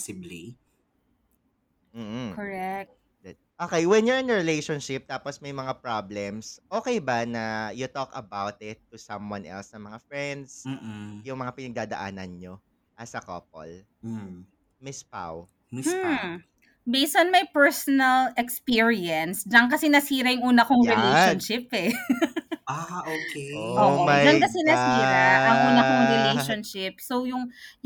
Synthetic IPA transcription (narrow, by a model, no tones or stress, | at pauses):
sɪbli | m̩ːh̩kɔɹɛk̚t̪̚ | d̪ɛd̪̚ | ʔoːkejwɛnjʊɹɪ̃nɹɪlejʃonʃɪp̚t̪aːposmɐjmɐŋapɹablɛmsʔoːkɛjbɐnɐjʊt̪okɐbawt̪ɪt̪ːʊsɐmwɐ̃nʔɛ̰lsnɐmɐŋafɹɛnd̪s̩jʊŋmɐŋapɪnɐɡ̚d̪aːd̪ɐʔa̰ːnɐnɲo | ʔɐsɐko̰ːp̚o̰l | mɪspa̰w̩ | bejst̪ɔnmɐjpɛɹsɔnɐlɛkspiːɹiɐnsd͡ʒɐŋkɐsɛnɐsiːɾɐjʊŋʔuːnɐkoŋɾɪlejʃonʃɪpɛ | aokeʔoːoɐjɐŋkɐsɛnɐsiːɾɐʔɐŋʔuːnɐkoŋɾɪlejʃonʃɪpsowjʊŋ